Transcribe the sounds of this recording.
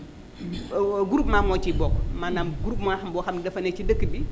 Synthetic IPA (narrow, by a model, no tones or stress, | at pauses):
ɡuɾupmaːmɔːt͡ʃibɔːkmanamɡuɾupmaxɐmbɔxɐmdɐfɐnɛt͡ʃidəkːəbi